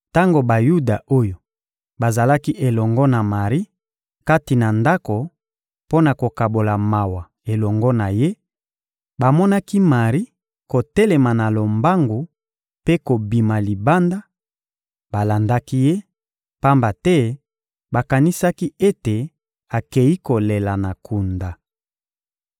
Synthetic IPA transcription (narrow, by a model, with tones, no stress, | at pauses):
ta˦ŋɡo˨ba˨ju˦da˨ʔo˦jo˨ | ba˨za˨la˦ki˦ʔe˨lɔ˨ŋɡɔ˦na˨ma˨ʁi˦ | ka˦ti˨na˨nda˦ko˨ | po˦na˨ko˨ka˨bo˨la˨ma˨wa˨ | e˨lɔ˨ŋɡɔ˦na˨je˦ | ba˨mɔ˦na˦ki˦ma˨ʁi˦ | ko˨tɛ˦le˨ma˨na˨lo˨mba˦ŋɡo˨ | pe˦ko˨bi˨ma˨li˨ba˦nda˦ | ba˨la˨nda˦ki˦je˦ | pa˦mba˨tɛ˦ | ba˨ka˨ni˦sa˦ki˦e˦te˨ | a˨ke˨ji˦ko˨le˨la˨na˨kʰu˨nda˨